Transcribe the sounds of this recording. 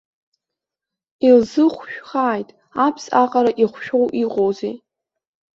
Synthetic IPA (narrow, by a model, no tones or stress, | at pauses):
ilzɨχʷʃᶣχaːjtʼ | apʰsaqʼaɾaʔiχʷʃᶣo̞wʔiqʼowzḛ